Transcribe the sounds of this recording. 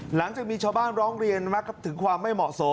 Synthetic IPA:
la˩˦ŋt͡ɕaː˨˩k̚miː˧t͡ɕʰaː˧wbaː˥˩nɾɔː˦˥ŋɾi˧ənma˦˥kːa˧˨˩t̪ʰɯ˩˦ŋkʰwaː˧mːa˥˩jmɔ̰ː˨˩ʔso˨˩˦

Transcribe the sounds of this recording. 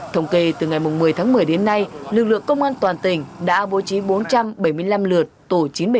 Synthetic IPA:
t̪ʰə˧wŋ͡mke˧t̪ɨ˨˩ŋa˨˩jmʊ˨˩ŋ͡mmɨ˨˩əjt̪ʰaː˨˦ŋmɨ˨˩əjɗe˨˦nːa˧jlɨ˨˩k̚lɨ̰˧əŋkə˧wŋ͡mʔaː˧nt̪waː˨˩nt̪ï˨˩ŋ̟ɗa̰ː˧˥ɓo˨˦t͡ɕi˨˦ɓo˨˦nt͡ɕa˧mɓə˧˩jmɨ˧əjla˧mlɨ˨˩ət̚t̪o˧˩t͡ɕi˨˦nɓ

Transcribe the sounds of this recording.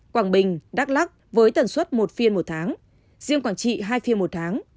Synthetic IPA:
kwaː˧˩ɓï˨˩ŋ̟ɗaː˦˥k̚la˦˥k̚vəː˨˦jt̪ə˨˩nswə˦˥t̚mo˨˩t̚fi˧ənmo˨˩t̚t̪ʰaː˨˦ŋ | zi˧əŋkwaː˧˩nt͡ɕḭ˧˨ɦaː˧jfi˧ənmo˨˩t̚t̪ʰaː˨˦ŋ

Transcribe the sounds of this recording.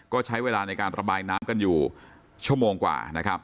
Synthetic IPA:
kɔː˥˩t͡ɕʰa˦˥jweː˧laː˧na˧jkaː˧nɾʔa˧baː˧jnaː˦˥mka˧njuː˨˩ | t͡ɕʰu˥˩əmoː˧ŋkwa̰ː˨˩na˦˥kʰɾa˦˥p̚

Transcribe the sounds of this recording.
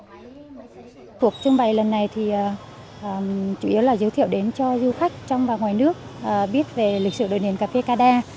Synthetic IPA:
ku˨˩ək̚t͡ɕɨ˧ŋɓa˨˩jlə˨˩nːa˨˩jt̪ʰi˨˩ʔː | ʔːt͡ɕu˧˩ʔi˨˦əwlaː˨˩zə˨˦t̪ʰi˧˨əwɗe˨˦nt͡ɕɔ˧zu˧xa˦˥jk̟̚t͡ɕɔ˧wŋ͡mɓaː˨˩ŋwaː˨˩jnɨ˦˥ək̚ʔːɓi˦˥ət̚ve˨˩lï˨˩k̟̚sɨ̰˧˩ɗo̰˧˨ɗḭ˧˩ənkaː˨˩fe˧kaː˧ɗaː˧

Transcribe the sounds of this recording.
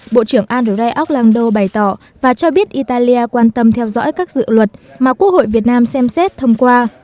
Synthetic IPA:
ɓo̰˧˨t͡ɕɨ˧˩əŋʔaː˧nzo˨˧˩ɗa˧jʔa˦˥wk͡p̚laː˧ŋɗo˧ɓa˨˩jt̪ɔ˧˩ | vaː˨˩t͡ɕɔ˧ɓi˦˥ət̚ʔi˧t̪aː˧li˧aː˧kwaː˧nt̪ə˧mt̪ʰɛ˧wzɔ̰˧˥jkaː˦˥k̚zɨ̰˧˨lwə˨˩t̚maː˨˩ku˦˥ək̚ho̰˧˨jvi˨˩ət̚naː˧msɛ˧msɛ˦˥t̚t̪ʰə˧wŋ͡mkwaː˧

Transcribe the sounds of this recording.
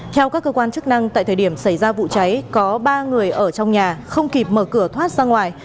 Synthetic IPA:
t̪ʰɛ˧wkaː˦˥kːəː˧kwaː˧nt͡ɕɨ˦˥k̚na˧ŋt̪a̰ː˧˨jt̪ʰəː˨˩ɗi˧˩əmsa˧˩jzaː˧vṵ˧˨t͡ɕa˨˦jkɔ˨˦ɓaː˧ŋɨ˨˩əjʔəː˧˩t͡ɕɔ˧wŋ͡mɲaː˨˩xə˧wŋ͡mki˨˩p̚məː˨˩kɨ˧˩ət̪ʰwaː˦˥t̚zaː˧ŋwaː˨˩j

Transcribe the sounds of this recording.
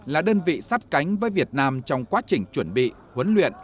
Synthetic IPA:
laː˨˩ɗəː˧nvḭ˧˨sa˦˥p̚ka˨˦jŋ̟vəː˨˦jvi˨˩ət̚naː˧mt͡ɕɔ˧wŋ͡mkwaː˨˦t͡ɕï˨˩ŋ̟t͡ɕwə˧˩nɓḭ˧˨ | hwə˨˦nlwḭ˧˨ənʔ

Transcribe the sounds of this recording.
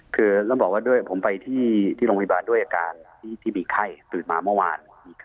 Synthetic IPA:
kʰɯː˧laː˥˩bɔː˨˩waː˥˩du˥˩əjpʰo˩˦mpa˧jt̪ʰiː˥˩t̪ʰiː˥˩o˧pʰːbaː˧ndu˥˩əjʔaː˧kaː˧nt̪ʰiː˥˩t̪ʰiː˥˩miː˧kʰa˥˩jt̪ɯː˨˩t̪̚maː˧mɯ˥˩wa̰ː˧n | miː˧kʰ

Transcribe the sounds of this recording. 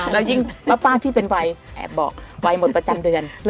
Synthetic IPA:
lɛː˦˥˩wji˥˩ŋpaː˦˧˥paː˥˩t̪ʰiː˥˩pe˧nwa˧jʔɛ̰ː˨˩bɔ̰ː˨˩k̚wa˧jmo˨˩t̪̚pɾa˧t͡ɕa˧mdɯ˧ənl

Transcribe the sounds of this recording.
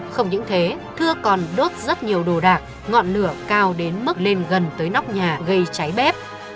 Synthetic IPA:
xə˧wŋ͡mɲɨ̰˧˥ŋt̪ʰe˨˦t̪ʰɨ˧əkɔ˨˩nɗo˦˥t̚zə˦˥t̚ɲi˨˩əwɗo˨˩ɗaː˨˩k̚ | ŋɔ̰˧˨nlɨ˨˧˩əkaː˧wɗe˨˦nmɨ˦˥k̚le˧nɣə˨˩nt̪əː˨˦jna˦˥wk͡p̚ɲaː˨˩ɣə˧jt͡ɕa˨˦jɓɛ˦˥p̚

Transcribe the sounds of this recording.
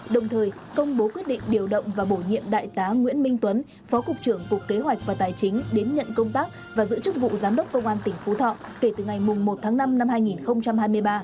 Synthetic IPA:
ɗə˨˩wŋ͡mt̪ʰəː˨˩jkə˧wŋ͡mɓo˨˦kwt̚ɗḭ̈˧˨ŋ̟ɗi˨˩əwɗə̰˧˨wŋ͡mvaː˨˩ɓo˧˩ɲḭ˧˨əmɗa̰ː˧˨jt̪aː˨˦ŋwḭ˧˥ənmï˧ŋt̪wə˨˦n | fɔ˨˦kʊ˨˩k͡p̚t͡ɕɨ˧˩əŋkʊ˨˩k̚kːe˨˦ɦwa˨˩jk̚vaː˨˩t̪aː˨˩jt͡ɕï˨˦ŋ̟ɗe˨˦nɲə̰˧˨nkə˧wŋ͡mt̪aː˦˥k̚ | vaː˨˩zɨ̰˧˥t͡ɕɨ˦˥k̚vṵ˧˨zaː˨˦mɗə˦˥wk͡p̚kə˧wŋ͡mʔaː˧nt̪ï˧˩ŋ̟fu˨˦t̪ʰɔ̰˧˨ke˧˩t̪ɨ˨˩ŋa˨˩jmʊ˨˩ŋ͡mmo˨˩t̚t̪ʰaː˨˦ŋna˧mna˧mhaː˧jŋi˨˩nxə˧wŋ͡mt͡ɕa˧mhaː˧jmɨ˧əjɓaː˧

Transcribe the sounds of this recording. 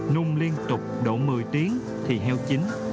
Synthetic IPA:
nʊ˧ŋ͡mli˧ənt̪ʊ˨˩k͡p̚ɗo̰˧˩mɨ˨˩əjt̪i˨˦əŋ | t̪ʰi˨˩ɦɛ˧wt͡ɕï˨˦ŋ̟

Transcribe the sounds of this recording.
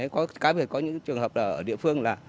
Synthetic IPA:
ə˨˦jkɔ˨˦kaː˨˦ɓi˨˩ət̚kɔ˨˦ɲɨ̰˧˥ŋt͡ɕɨ˨˩əŋɦəː˨˩p̚ʔəː˧˩ʔəː˧˩ɗḭ˧˨əfɨ˧əŋlaː˨˩

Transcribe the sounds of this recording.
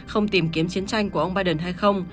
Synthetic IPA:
xə˧wŋ͡mt̪i˨˩mki˨˦əmt͡ɕi˨˦ənt͡ɕa˧jŋ̟ku˧˩əʔə˧wŋ͡mɓaː˧jɗə˨˩nɦa˧jxə˧wŋ͡m

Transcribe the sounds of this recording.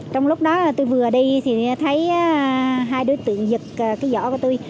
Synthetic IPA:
t͡ɕɔ˧wŋ͡mlʊ˦˥k͡p̚ɗɔ˨˦laː˨˩t̪u˧jvɨ˨˩əɗi˧t̪ʰi˨˩˦t̪ʰə˨˦jɦaː˧jɗo˨˦jt̪ɨ̰˧˨əŋzɨ˨˩k̚ːkaː˨˦jzɔ̰˧˩ku˧˩ət̪u˧j

